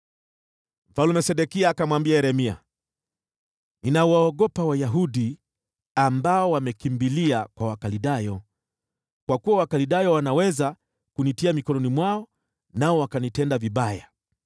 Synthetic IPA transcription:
m̩falumɛsɛɗɛkiaːkamwambiaɛɾɛmia̰ | inawaɔɡɔpawajaɦuɗi | ambaɔwamɛkimbiliakwawakaliɗajɔ | kwakuwawakaliɗajɔwanawɛza | kunitiamikɔnɔnimwaɔ | naɔwakanitɛndaviɓaja

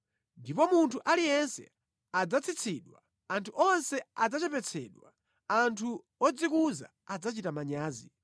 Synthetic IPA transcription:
ndipɔmuntʰuʔalijɛnsɛ̰ | ad͡zat͡sʰit͡sʰiɗwa̰ | antʰuʔɔnsɛad͡zat͡ʃɛpɛt͡sʰɛːɗwa | antʰu | ɔd͡zikuza̰ | ad͡zat͡ʃitamaɲaːzi

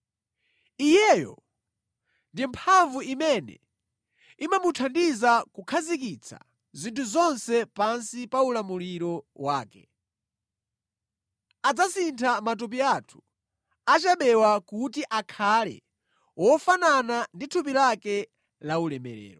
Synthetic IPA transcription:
ijɛjɔ̰ | ndimpʰaɱvuimɛnɛ̰ | imamutʰandizakukʰazikit͡sʰa̰ | zintʰuzɔnsɛpansipaulamuliɾɔwaːkɛ | ad͡zasintʰamat̬up̬iatʰu̥ | at͡ʃaɓɛwakutiʔakʰalɛ̰ | wɔfanananditʰupilakɛ | laulɛmɛ̰ɾɛ̰ːɾɔ

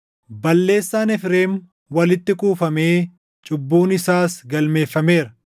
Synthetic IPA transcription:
bɐlːe̞ːsːaːnɛfɾeːm | wɐlɪt̪ːɪkʼuːfɐmeː | t͡ʃʼʊbːuːnɪsaːsɡɐlme̞ːfːɐme̞ːɾɐ

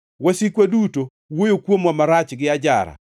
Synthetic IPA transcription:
wasikwaduto | wojokwomwamaɾat͡ʃɡɪad͡ʒaɾa̰

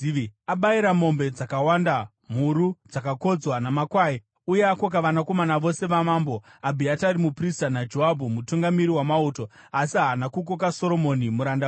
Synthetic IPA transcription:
aɓaiɾamo̞mbe̞d͡zakawanda | m̤uɾud͡zakako̞d͡zwanamakwai | ujeakok̬aʋanako̞manaʋo̞se̞ʋamaːmbo̞abʱiataɾimupristanad͡ʒo̞ɦabʱumutuŋɡamiɾiwamauːto̞ | asiɦanakuk̬ok̬aso̞ɾo̞mo̞nimuɾanda

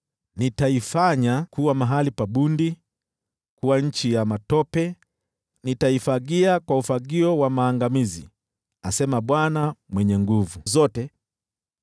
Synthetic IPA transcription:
nitaifaɲakuwamaɦalipaɓundi | kuwaɲ̩t͡ʃijamatɔpɛ | nitaifaɠiakwaufaɡiɔwamaːŋɡamizi | asɛmaɓwanamwɛɲɛŋɡuvuzɔtɛ

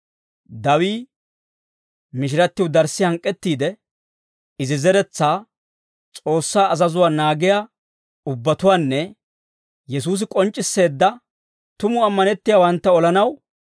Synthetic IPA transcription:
d̪ɐwiː | mɪʃ̬ɪɾɐt̪ːɪwd̪ɐɾsɪhɐŋkʼːɛt̪ːiːd̪ɛ | ɪzɪzɛɾɛt͡sːaː | t͡sʼo̞ːsːaːɐzɐzʊwaːnaːɡɪjaː | ʊbːɐt̪ʊwaːnːɛ | jɛs̬uːs̬ɪkʼɔnt͡ʃʼːɪsːe̞ːd̪ːɐ | t̪ʊmʊɐmːɐnɛt̪ːɪjaːwɐnt̪ːɐɔlɐnɐw

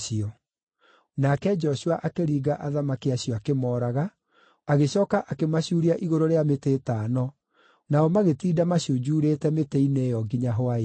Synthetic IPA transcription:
iɔ | nakɛd͡ʒɔɕuaʔakeɾiːɣaʔaðamakiaɕijɔakemɔːɾaɣa | aɣeɕɔːkaʔakemaɕuːɾiaʔiɣoɾoɾeameteːtaːnɔ | naɔmaɣetiːdamaɕiod͡ʒuːɾeːtɛmeteinejɔɡiɲaɦoa

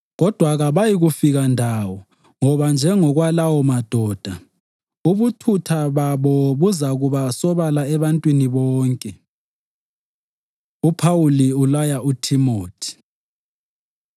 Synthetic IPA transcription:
ɣɔd̥ʱwaɣaβajiɣufiɣandʱawɔ | ŋɔβand͡ʒʱɛŋɔɣwalawɔmad̥ʱɔːd̥ʱa | uβutʰutʰaβaβɔβuzaɣuβasɔβalaɛβantʼwiniβɔːŋkʼɛ | upʰawuliulajautʰimoːtʰi̥

